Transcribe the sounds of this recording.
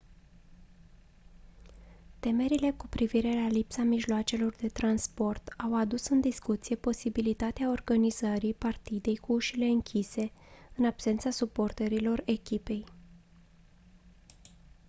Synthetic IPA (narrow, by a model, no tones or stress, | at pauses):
t̪e̞me̞ɾile̞kupɾiviɾe̞lalipsamiʒloat͡ʃe̞lo̞rd̪e̞t̪ɾanspo̞rt̪awad̪usɨnd̪iskut̪sije̞po̞sibilit̪at̪eao̞rɡanizəɾipart̪id̪e̞jkuuʃile̞ɨŋkʲʰise̞ɨnab̥se̞nt̪sasupo̞rt̪əɾilo̞re̞kʲipe̞j